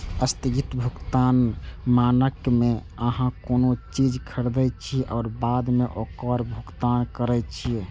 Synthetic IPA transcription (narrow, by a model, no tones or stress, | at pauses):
əst̪iɡit̪bʱukt̪anmanəkme | əɦãkonot͡ʃid͡ʒkʰəɽd̪ət͡ʃʰiʔɔʊɾbad̪meʔokəɾbʱukt̪ankəɾɛjt͡ʃʰiɛ